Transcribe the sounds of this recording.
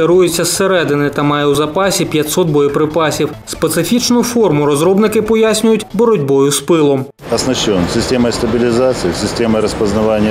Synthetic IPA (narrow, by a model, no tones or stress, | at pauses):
eɾujʊt͡sʲːɐseɾɛd̪ɪnɪt̪ɐmɑjɛwzɐpɑsʲipʲjɐtʲsɔt̪̚bɔjɪpɾɪpasʲiwspet̪sɪfʲit͡ʃnʊfɔrmʊɾɔzɾɔbnɪkɪpɔjasʲnʲʊjʊtʲbɔɾɔdʲbɔjʊspɪlˠɔm | ɐsnɐɕːɔnsʲɪsʲtʲemɐjst̪ɐbʲɪlʲɪzat̪sɨɪsʲɪsʲtʲemɐjɾəspɐznɐvanʲːɪjə